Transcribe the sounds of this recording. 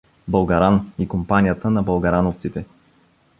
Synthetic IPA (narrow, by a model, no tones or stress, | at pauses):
bəlˠɡɐɾanikompanijət̪ənɐbəlˠɡɐɾanoft̪sit̪ɛ